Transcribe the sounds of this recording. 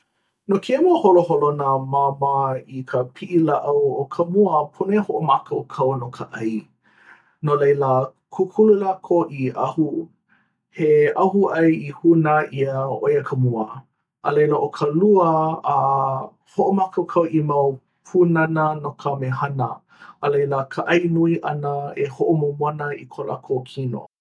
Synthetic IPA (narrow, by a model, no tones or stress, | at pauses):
nokʰemuəholoholonəmamaikʰəpʰiʔilaʔəwokʰəmuəpʰonehoʔomakʰəwkʰɐwənokʰəʔɐj | nolejlə | kʰukʰululakʰoʔiɐhu | heʔɐhuʔɐjihunəʔiəojəkʰəmuə | ʔə̰lejləʔokʰəluəː | hoʔomakowkʰɐwʔimɐw | pʰunɐnənokʰəmehɐnə | ʔəlejləkʰəʔɐjnuiʔɐnəehoʔomomwɐnəikʰola̰kʰokʰino̰